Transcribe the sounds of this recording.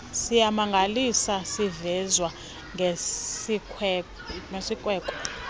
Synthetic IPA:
sijamaŋɡʱalisasivɛzwa | ŋʱeikː | ŋesikʼwɛːkʼɔ̥

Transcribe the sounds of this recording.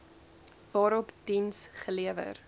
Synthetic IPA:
vɑːɾɔpd̥insχəliəvə̰r

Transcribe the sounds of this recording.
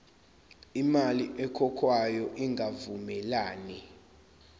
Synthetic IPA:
imaliʔɛkʰɔkʰwajɔʔiŋɡʱavumɛlaːni

